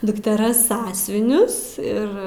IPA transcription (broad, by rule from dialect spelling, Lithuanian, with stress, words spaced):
dʊktʲɛˈrɐs ˈsɑːsʲʊʋʲɪnʲʊs ˈɪr